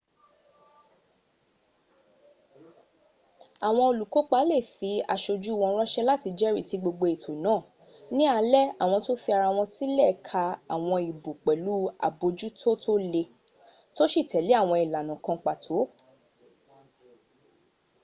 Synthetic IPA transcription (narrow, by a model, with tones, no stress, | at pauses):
a˨w̃ɔ̃˧o˧lu˨ko˨˦k͡pa˦le˦˨fi˨˧˦a̰˧ʃo˧d͡ʒu˦wɔ̃˧˦ɾ̃ɔ˦ʃɛ˦la˦ti˧d͡ʒɛ˦ɾi˦˨si˨˧˦ɡ͡bo˧ɡ͡bo˧e˨tʰo˨nãː˦˨ | nĩ˦a˨˦lɛ˦a˨w̃ɔ̃˧to˦fi˧a˧ɾa˧w̃ɔ̃˧si˦lɛ˦˨˦kʰa˧a˨w̃ɔ̃˧i˨bo˨k͡pɛ˨lu˦a̰˨bo˧d͡ʒu˦tʰo˦tʰo˦le˧ | to˦ʃi˦˨tɛ˨le˨˦a˦˨w̃ɔ̃˧i˨la˨nũ˨kã˧˦k͡pa˨tʰo˨˦